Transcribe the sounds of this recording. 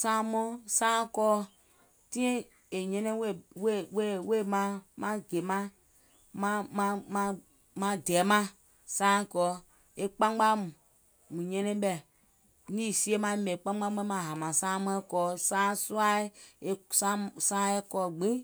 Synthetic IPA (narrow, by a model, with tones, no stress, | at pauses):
sãː˦mɔ̃˦sãː˦kɔː˦ | tĩ˦ĩ˦ | e˨ɲɛ̃˧nɛ̃˦we˦˨we˦˨we˦˨we˦˨mã˧˦mã˧ɡe˨mã˧ | mã˧˦mã˧mã˧ | mã˧dɛː˨˦mã˦ | sãː˦kɔː˨˦ | e˧k͡pã˦a˦mũ˨ | mũ˨ɲɛ̃˧nɛ̃˦ɓɛ˨ | nĩː˦si˦e˦mã˧e˦mɛ̃˨k͡pã˦ã˦ɛ̃˦mã˧˨ɦa˨mã˨sãː˦mɔ̃˧˦kɔː˨˦sãː˦su˦a˦e˧sa˦sãː˦e˦kɔː˧˦˨ɡ͡bĩ˦